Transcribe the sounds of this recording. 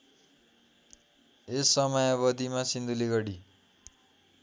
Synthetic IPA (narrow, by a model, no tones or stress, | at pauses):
esːʌmʌjʌβʌd̪imasind̪uleɡʌɽi